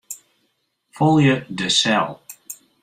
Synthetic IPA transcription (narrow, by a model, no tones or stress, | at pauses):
folˠjədəsɛlˠ